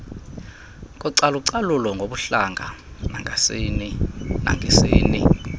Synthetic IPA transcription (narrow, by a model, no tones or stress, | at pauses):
k̬ʼuǀaluǀalulɔŋɡʱoɓuɬaŋʱanaŋasinina̰ŋʱesiːni